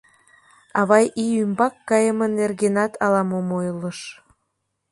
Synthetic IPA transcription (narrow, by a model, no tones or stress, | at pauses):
ɑβɑjʔiymbɑkːɑjəmə̆nːerɣenɑt̪ʰɑlɑmomojləʃ